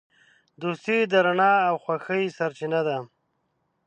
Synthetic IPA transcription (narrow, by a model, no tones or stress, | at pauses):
d̪ost̪id̪aɾaɳɑawxwaxəjsaɾt͡ʃɪnad̪a